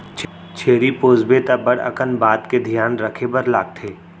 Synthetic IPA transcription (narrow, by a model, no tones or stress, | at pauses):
t͡ʃʰ | t͡ʃʰeːɾipoːzbet̪abɐɽɐ̰kənbaːt̪ked̪ʱijaːnɾɐkʰebɐɾlaːɡ̚t̪ʰeː